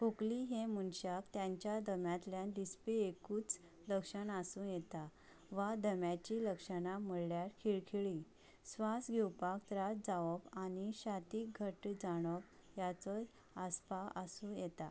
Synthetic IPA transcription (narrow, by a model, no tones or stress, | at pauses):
pokliɦemunɕakt̪jãɲt͡ɕjad̪əmjat̪ljãd̪ispiekuːt͡s | ləkʂənasũjet̪a | ʋad̪əmjat͡ɕiləkʂənaməɭljaɾkʰiɭkʰiɭi | sʋasɡʱewpakt̪ɾad͡zaʋɔpaniɕat̪iːk̚ɡʱəʈd͡zaɽ̃ɔp | jat͡sɔ | aspaʔəsũjet̪a